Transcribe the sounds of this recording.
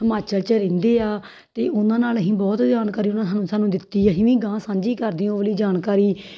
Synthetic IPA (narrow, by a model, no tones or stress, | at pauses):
əmaːt͡ʃəlt͡ʃəɾẽːnd̪eːaː | t̪eːʔʊnãːnaːlɦĩːbɔːt̪d͡ʒaːnkaːɾiːʊnãːsaːnũːsaːnũːd̪ɪt̪ːiːəɦĩːʋĩːɡãːsãːɲd͡ʒiːkəɾd̪iːõːʋəliːd͡ʒaːnkaːɾiː